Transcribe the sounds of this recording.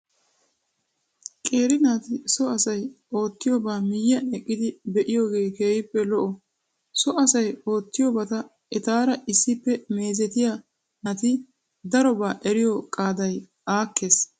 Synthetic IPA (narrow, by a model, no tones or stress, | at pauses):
kʼe̞ːɾɪnaːt̪ɪsɔɐsɐj | o̞ːt̪ːɪjobaːmɪjːɐɛkʼːɪd̪ɪbɛʔɪjoːɡe̞ːke̞ːjɪpːɛlɔʔɔ | sɔɐsɐjo̞ːt̪ːɪjoːbɐt̪ɐ | ʔɛt̪aːɾɐɪsːɪpːɛme̞ːzɛt̪ɪja | nɐt̪ɪ | d̪ɐɾɔbaːʔɛɾɪjɔkʼaːd̪ɐj | ʔaːkːe̞ːs